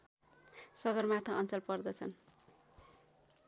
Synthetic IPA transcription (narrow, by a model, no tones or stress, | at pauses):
sʌɡʌrmat̪ʰʌʌnt͡sʌlpʌrd̪ʌt͡sʰʌn